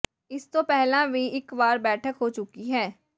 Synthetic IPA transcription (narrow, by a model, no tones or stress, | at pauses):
ɪst̪opɛɦlabʱiɪkʋaːɾbɛːʈʰəkɦot͡ʃʊkiɦɛː